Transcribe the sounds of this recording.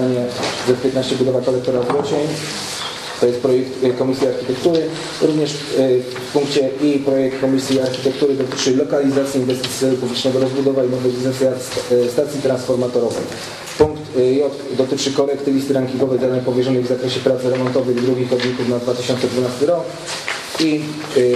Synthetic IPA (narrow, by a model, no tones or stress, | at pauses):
aɲɛzɛpʲjɛt̪naɕt͡ɕɛbud̪ɔvakɔlɛkt̪ɔɾazɾɔt͡ɕɛɲ | t̪ɔjɛst̪̚pɾɔjɛkt̪kɔmʲisʲjaaɾxʲit̪ɛkt̪uɾɘ | ɾuvɲɛʂ | fpuŋkt͡ɕɛʔipɾɔjɛk̚t̪kɔmʲisʲjiaɾxʲit̪ɛk̚t̪uɾɘd̪ɔt̪ɘt͡ʂɘlɔkalʲizat̪sʲiinvɛst̪ɘt̪sʲjɛɾupublʲit͡ʂnɛɡɔɾɔzbud̪ɔvainɔvɛbʲizɛsja | st̪at̪sʲjit̪ɾansfɔɾmat̪ɔɾɔvɛ̰j | puŋkt̪jɔt | d̪ɔt̪ɘt͡ʂɘkɔlɛkt̪ɘvʲist̪ɘɾaŋkʲiŋɡɔvɛjd̪ad̪aɲpɔvʲjɛʐɔnɘjvzakɾɛɕɛpɾat̪sɾɛmɔnt̪ɔvɘɣd̪ɾuɡʲixɔd̪ɲikufnad̪vat̪ɘɕɔnt̪sɛd̪vunast̪ɘɾɔk | i